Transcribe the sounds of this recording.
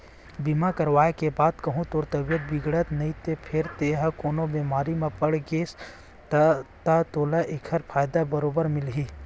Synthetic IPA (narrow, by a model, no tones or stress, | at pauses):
bimakɐɾʋaːekebaːd̪kɐɦũt̪oːɾt̪ɐbijət̪̚bɪɡɽət̪nɐɦĩt̪epʰɪɾt̪eːɦɐ̃koːnobeːmaːɾimãpɐɽɡeːs | t̪at̪oːlaʔekʰəɾpʰaːjd̪abɐɾoːbəɾmɪlɦiː